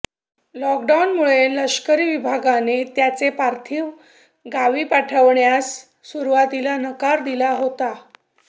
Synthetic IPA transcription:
lɔkɖawnmuɭeləɕkəɾiːʋibʱaɡanet̪jat͡sepaɾt̪ʰiːʋ | ɡaʋiːpaʈʰəʋɳjasː | uɾuʋat̪ilanəkaɾd̪ilaɦot̪a

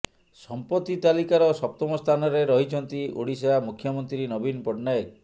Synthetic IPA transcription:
sɔmpɔt̪ːit̪alikaɾɔsɔp̚t̪ɔmɔst̪ʰanɔɾeɾɔɦit͡ʃʰɔnt̪iʔoɽiseamukʰːjɔmɔnt̪ɾinɔbinpɔʈnae

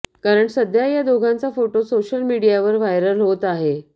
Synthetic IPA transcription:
kaɾəɳsəd̪ʱjajad̪oɡʱãnt͡safoʈosoɕəlmiɽijaʋəɾʋajɾəlɦot̪aɦe

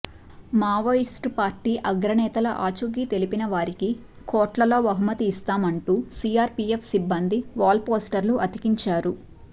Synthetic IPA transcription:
maːʋɐisʈpaːɾʈiːʔɐɡɾɐnɛːt̪ɐlɐʔaːt͡ʃuɡiːt̪e̞lipinɐʋaːɾiki | kɔːʈlɐlo̞ːʋɐɦumɐt̪iːst̪aːmɐɳʈuːsiːjaːɾpiefsibːɐnd̪iʋaːlpoːsʈɐɾluʔɐt̪ikiɲt͡ʃaːɾu

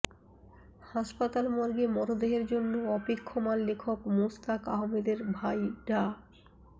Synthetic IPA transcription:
haʃpat̪almɔɾɡemɔɾod̪eɦeɾd͡ʑonːoɔpikʰːomanlekʰokmost̪akaɦomed̪eɾbʱajɖa

